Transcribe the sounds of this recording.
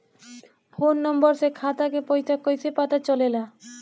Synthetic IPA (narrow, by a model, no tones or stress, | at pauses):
fʰonːɔmbɔɾsekʰat̪akepojsʰakojsʰepat̪at͡ɕɔlela